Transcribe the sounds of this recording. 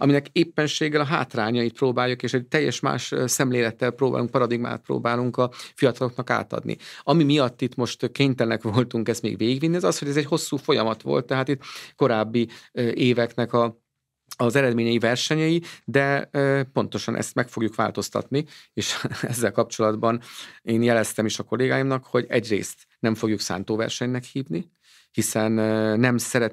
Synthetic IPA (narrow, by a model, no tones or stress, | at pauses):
ɒ̰minɛkeːpːɛnʃeːɡɛlɒɦa̰ːt̪raːɲɒjit̪̚proːbaːjːukeːʃɛc̚t̪ɛjːɛʃma̰ːʃsɛmleːlɛt̪ːɛlpɾoːba̰ːluŋk̚pɒɾɒd̪iɡma̰ːt̪̚pɾo̰ːbaːluŋkɒfijɒt̪ɒlo̞knɒka̰ːt̪ɒ̰d̪nḭɒmimijɒt̪ːit̪mo̞ʃt̪keːɲt̪ɛlnɛkʋo̞lt̪uŋkɛst̪mḛːɡʋeːɡiɡvinːiɛzɒsho̞ɟɛzɛcho̞sːuːfo̞jɒmɒt̪ʋo̞̰lt̪ːɛɦaːt̪it̪ːko̞ɾaːbːiʔeːvɛknɛkɒ | ɒzɛɾɛd̪meːɲɛjivɛrʃɛɲɛjid̪ɛpo̞nt̪o̞ʃɒnʔɛ̰st̪mɛkfo̞ɡjukʋa̰ːlt̪o̞st̪ɒ̰t̪nieːʃɛzːɛlkɒp̚t͡ʃo̞lɒd̪bɒneːnjɛlɛst̪ɛmiʃɒko̞leːɡaːjimnɒkho̞ɟɛɟrḛːst̪ | nɛɱfo̞ɡjuksa̰ːnt̪oːvɛ̰rʃɛɲnɛkhiːvni | hisɛnːɛmsɛɾɛ